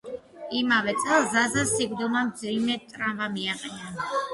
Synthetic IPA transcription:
imavɛt̪sʼɛlˠzazasiɡɾd̪ulˠmamd̪zimɛt̪ʼɾamvamiaqʼɛna

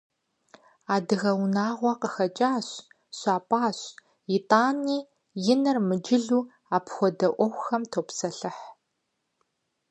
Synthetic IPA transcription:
aːdɨɣɐwnaːʁʷɔqəxɐt͡ʃʼaːɕ | ɕʷaːpʼaːɕ | jɪtʼaːniː | jɪnɐrmɨd͡ʒɪɮuː | aːpʰxʷɔdɐʔʷɔxʷxɐmtʰoːpsɐɬɨħ

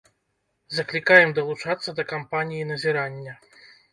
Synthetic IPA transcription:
zɐklʲikajɛmd̪ɐlˠut͡ʂat̪sːɐd̪ɐkampanʲijinɐzʲiɾanʲːɐ

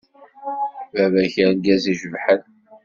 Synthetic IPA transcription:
vævæçəɾnɡæziʒəvħən

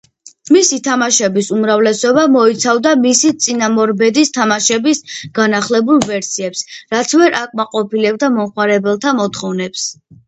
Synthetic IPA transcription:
misit̪ʰamaʃɛbisumɾavlɛsɔbamɔit̪sʰavd̪amisit̪sʼinamɔɾbɛd̪ist̪ʰamaʃɛbisɡ̥anaχlɛbulˠvɛɾsiɛpsɾat̪sʰvɛɾʔakʼmaqʼɔpilɛb̚d̪amɔmχwaɾɛbɛlˠt̪ʰamɔt̪ʰχɔvnɛps

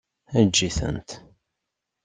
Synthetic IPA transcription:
æd͡ʒːiθə̰nt̪

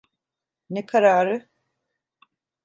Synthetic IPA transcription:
nekʰaɾaːɾɯ

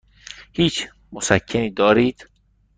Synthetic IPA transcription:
hiːt͡ʃʰ | mosæcʰːeniːd̪ɒːɾiːd̪̥

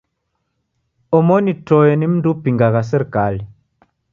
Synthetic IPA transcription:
ɔmɔnitɔjɛnim̩ndupiŋɡaɣas̬ɛɾkali

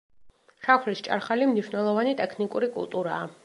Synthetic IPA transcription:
ʃakʰlist͡ʃʼa̰ɾχalimniʃnɛlˠɔvanit̪ʼɛkʰnikʼuɾikʼṵlˠt̪ʼuɾaː

